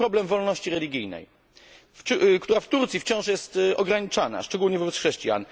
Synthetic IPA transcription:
ɾɔblɛmvɔlnɔɕt͡ɕiɾɛlʲiɡʲijnɛ̰j | kt̪uɾaft̪uɾt̪sʲift͡ɕɔ̃w̃ʂjɛst̪ɔɡɾaɲit͡ʂana̰ʂt͡ʂɛɡulɲɛvɔbɛt̪sxʂɛɕt͡ɕija̰n

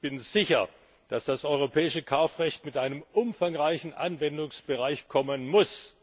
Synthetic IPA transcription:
b̥ɪnz̥ɪçɐ | d̥asd̥asʔɔʏʁopʰɛːɪʃəkʰaʊfʁɛçtmɪtʔaɪnəmʔʊmfaŋʁaɪçn̩ʔa̰nvɛndʊŋsb̥əʁaɪçkʰɔmənmʊs

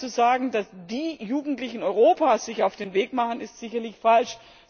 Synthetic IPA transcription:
uzaːɡŋ̩dasd̥iːjuːɡŋ̩tlɪçn̩ɔʏʁoːpaːsz̥ɪçaʊfd̥eːnveːkmaχənɪstz̥ɪçɐlɪçfalʃ

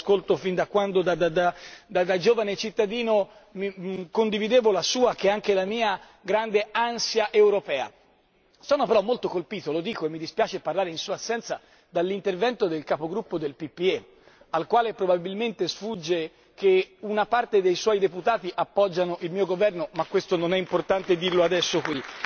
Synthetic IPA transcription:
skolt̪ofind̪akwand̪od̪ad̪ad̪ad̪ad̪ad͡ʒoːvanet͡ʃit̪ːad̪iːno | mikond̪ivid̪eːvolasuːakeaŋkelamiːa | ɡɾand̪eansjaʔewɾopɛːa̰ | sɔːnopeɾɔmːolt̪okolpiːt̪olod̪iːkoemːid̪ispjaːt͡ʃeparlaːɾeinsuːaːsːɛnt̪sa | d̪alːint̪ervɛnt̪od̪elkapoɡɾupːod̪elpipːie | alkwaːlepɾobabilment̪esfud͡ʒːe | keunapart̪ed̪ejswɔjd̪eput̪aːt̪iʔapːɔd͡ʒːanoʔilmiːoɡovɛrnomakːwest̪ononɛimport̪ant̪ed̪irload̪ɛsːokwi

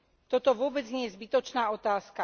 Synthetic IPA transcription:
t̪ɔt̪ɔʋʊɔbɛd͡zɲɛjɛzbit̪ɔt͡ʃnaːɔt̪aːska

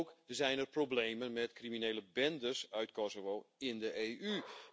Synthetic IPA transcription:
kzɛjnərprobleːmənmɛtkriminejləbɛndəsœɥtkɔsoʋoːɪndəʔeːʔy

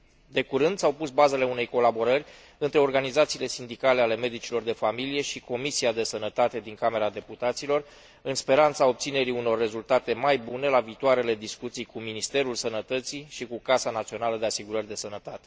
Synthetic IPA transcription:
d̪e̞kuɾɨnd̪sawpusbaze̞le̞une̞jko̞labo̞ɾərʲ | ɨnt̪ɾe̞o̞rɡanizat̪siːle̞sind̪ikale̞ale̞me̞d̪it͡ʃilo̞rd̪e̞familije̞ʃiko̞misiad̪e̞sənət̪at̪e̞d̪iŋkame̞ɾad̪e̞put̪at̪silo̞r | ɨnspe̞ɾant̪sao̞b̚t̪sine̞ɾiuno̞rːe̞zult̪at̪e̞majbune̞laviːt̪oaɾe̞le̞d̪iskut̪sijkuminist̪e̞ɾulsənət̪ət̪siʃikukasanat̪sio̞naləd̪e̞asiɡuɾərʲd̪e̞sənət̪at̪e̞̥

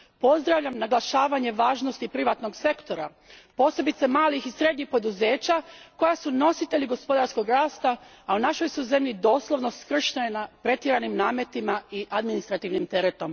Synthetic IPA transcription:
po̞zd̪ɾaʋʎamnaɡlˠaʃaːʋaɲe̞ʋaːʒnost̪ipɾiʋat̪no̞ɡse̞kt̪o̞ɾa | po̞ːse̞bit̪se̞maːlixisɾe̞d̪ɲixpo̞d̪uze̞ːt͡ɕako̞jasuno̞sit̪e̞ʎiɡo̞spo̞d̪aɾsko̞ɡɾaːst̪aː | unaʃo̞jsujze̞mʎid̪o̞ːslˠo̞ʋno̞skr̩ʃnenapɾe̞t̪jiɾanimnaːme̞t̪imaiʔad̪minist̪ɾat̪iʋnimt̪e̞ɾet̪o̞m

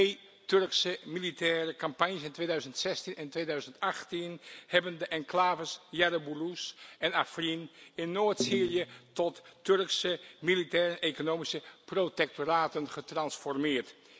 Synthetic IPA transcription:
tej | tørksəmilitɛːrəkɑmpaɲjəsɪntʋeːjdœɥzəntsɛstinɛntʋeːjdœɥzəntaχtinhɛbəndəʔɛŋklaːvəsjarobulusɛnafrinɪnːoːətsiːrijətɔtːørksəmilitɛːɾənʔekonoːmisəprotɛk̚toraːtənχətrɑnsfɔrmɪːɹt

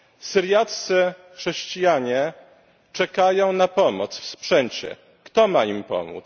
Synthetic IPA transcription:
sɘɾʲjat̪sɘxʂɛɕt͡ɕijaɲɛ | t͡ʂɛkajɔ̃w̃napɔmɔt̪sfspʂɛɲt͡ɕɛ̰ | kt̪ɔmaimpɔ̰mṵt̪s

